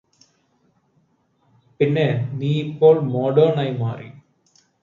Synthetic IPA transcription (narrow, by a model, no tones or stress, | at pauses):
pɪnːeniːpːoːlmoːɖoːnɐjma̰ːɾḭ